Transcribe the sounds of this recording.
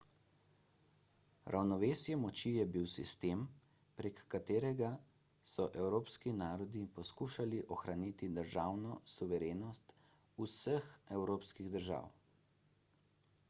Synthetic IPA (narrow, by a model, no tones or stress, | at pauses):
ɾʔa̰wnɔʋeːsjɛmɔt͡ʃijɛbiwsist̪eːm | pɾekːat̪eːɾɛɡa | sɔʔɛwɾoːpskinaːɾɔd̪ipɔskuːʃaliʔɔxɾanit̪id̪əɾʒaːwnɔsuʋɛɾeːnɔst̪ | usəxɛwɾoːpskiɣd̪əɾʒa̰ːw